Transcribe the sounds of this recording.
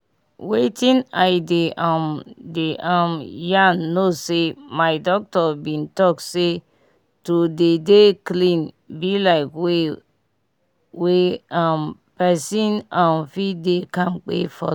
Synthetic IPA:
wetʰĩnajdeãmdeʔãmjãnːosemajdɔk̚tɔbĩntɔkse | tudedeklĩn | bilaɪkwe | weãm | pɛsĩnãmfidekãmk͡pḛfɔ̰

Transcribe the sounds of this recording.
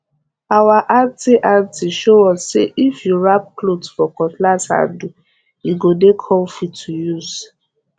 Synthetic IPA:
awaʔatiʔatiʃoɔ̃ssḛʔifjuɹap̚klodfɔkɔtlasa̰du | iɡodekʰɔmfitʰujus

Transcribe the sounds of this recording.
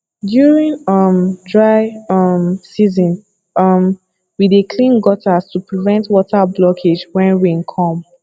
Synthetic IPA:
djuɹĩnʌmdɹaɪʌmsizɔ̃n | ʌm | widekʰlĩnɡɔtʰastupɹivɛ̃ntwɔtʰablɔkʰed͡ʒwɛ̃nɹĩnkʰɔ̃m

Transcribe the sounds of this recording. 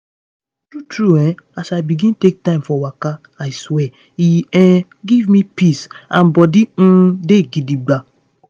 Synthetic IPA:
d̥utɹuɛ̃asajbiɡĩntek̚tãɪ̃mfɔwaka | ajswɛ | iɛ̃ | ɡivmipisãnbɔdĩdeɡidibla

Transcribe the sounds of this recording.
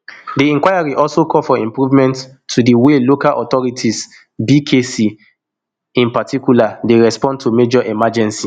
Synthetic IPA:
diĩŋkwajaɹiʔɔlsokʰɔfɔĩmpɹuvmɛ̃ntʰː | udiwelokalʔɔtɔɹitʰis | bikʰesi | ĩnpatikjuladeɹɛspɔ̃ntʰumed͡ʒɔʔɛmad͡ʒɛ̃nsi

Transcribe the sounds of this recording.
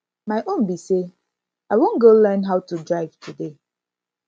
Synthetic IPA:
maɪʔõnbise | aɪwõnɡolɜ˞nɦaʊtudɹaɪv̥tʰude

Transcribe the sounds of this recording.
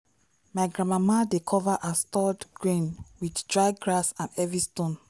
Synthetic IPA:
maɪɡɹãmamadekʰɔvaʔastɔdɡ̥ɹĩnwiddɹaɪɡɹasãnɛvistõn

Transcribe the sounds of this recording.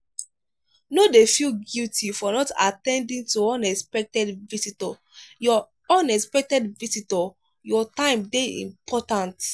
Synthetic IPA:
nodefilɡultʰifɔnɔta̰tɛ̃ndĩŋtuɔ̃nɛspɛk̚tɛdvisitɔ | jɔ | ɔ̃nɛspɛk̚tɛdvisitɔ | jɔtãɪ̃mdeḭ̃mpʰɔtãnt

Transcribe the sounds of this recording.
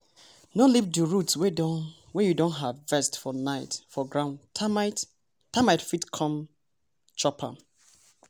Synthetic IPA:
nɔlivduɹutswedɔ | wɛjudõnɦavvɛstfɔnaɪtfɔɡɹãʊ̃nʰmaɪt | tːamaɪtfitkʰɔ̃m | t͡ʃɔpʰã̰

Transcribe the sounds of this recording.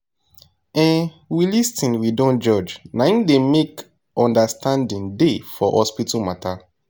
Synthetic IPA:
ɛ̃n | wilistĩnwidɔ̃nd͡ʒɔd͡ʒnaĩdemek | ɔ̃ndastãndĩndefɔhɔspitumatʰa

